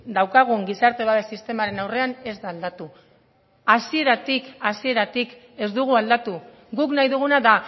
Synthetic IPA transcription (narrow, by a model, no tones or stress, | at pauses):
d̪awkaɣ̞uŋɡisaɾt̪e̞βaβe̞sist̪e̞maɾe̞nawre̞ane̞zd̪aːld̪at̪u | asie̞ɾat̪ikasie̞ɾat̪ik | e̞zd̪uɣ̞uald̪at̪u | ɡuknajðuɣ̞unaða